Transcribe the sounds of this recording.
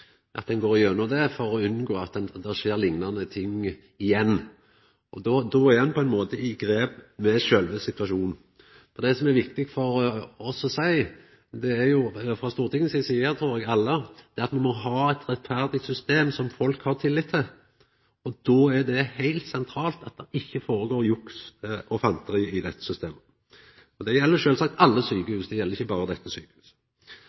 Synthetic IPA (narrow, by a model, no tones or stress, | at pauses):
ʔɑ̰t̪d̪ɛnɡoːɾɪønːɔd̪ɛfɔɾɔʉnɡoːɑt̪̚d̪ɛnd̪ɛʂeːɾlɪŋnɑnət̪ʰɪŋː | ɪjɛnː | ɔd̪ɔd̪ɔæɾhɛnpʰɔɛnmoːt̪əɪɡɾeːpmɛʃølʋəsɪt̪ʉɑʂuːnn̩ | fɔɾd̪ɛsɔmæɾʋɪkt̪ɪɡfɔɾɔsɔsæɪ | d̪ɛæɾjʊfɾɑst̪uːɾt̪ɪŋːən̩əsisiːəɾt̪ʰɾuːɾɛɡɑlːəd̪̥ɛɾɑt̪mɛnmɔɦɑːɛt̪ɾɛt̪fæʁd̪ɪt̪sʏst̪eːmsɔmfɔlkhɑʁt̪ʰɪlːɪt̪ʰːɪl | ɔd̪ɔæd̪ɛhæɪlt̪sɛnt̪ʰɾɑːlt̪ɑt̪̚d̪ɛʔɪçːəfoːɾəɡoːɾjʊksʔɔfɑnt̪ʰəɾiːɪd̪ɛt̪ːə̥sʏst̪eːmə | ɔd̪ɛjɛlːəɾʃøːlsɑk̚t̪ɑlːəsyːkəhʉːsd̪ɛjɛləɾɪçːəbɑːɾəd̪ɛt̪ːəsy̰ːkəhʉːs